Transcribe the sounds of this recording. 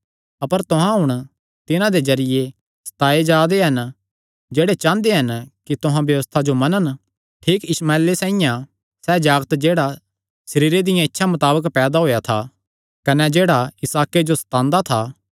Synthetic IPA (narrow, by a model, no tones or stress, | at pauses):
ɐpəɾt̪ʊɦãɦʊɽ̃ | t̪ɪnãd̪ezɐɾɪje | sɐ̥t̪aːed͡ʒaːd̪eɦɐn | d͡ʒeːɽet͡ʃãːnd̪eɦɐnkit̪ʊɦãbjɐʋəst̪ʰad͡ʒomɐnən | ʈʰiːkɪsmaːelesãːĩjã | sɛːd͡ʒaːɡət̪d͡ʒeːɽa | sɐɾiːɾed̪ɪjãɪtːʃʰamɐt̪aːbəkpɛːd̪aɦoːjat̪ʰa | kɐnɛd͡ʒeːɽaɪsaːked͡ʒosɐ̥t̪ãːnd̪at̪ʰaː